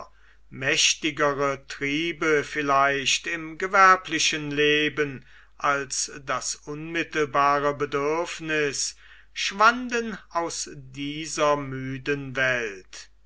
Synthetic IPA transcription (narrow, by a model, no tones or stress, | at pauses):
mɛʃtɪɡəʁətʁ̥iːbəfɪlaɪʃtɪmɡəvɛɐplɪʃənleːbən | ʔalsdasʔʊnmɪtəl̩baːʁəbədʏɐfnɪs | ʃv̥andənaʊsdiːzɐmyːdənvɛlt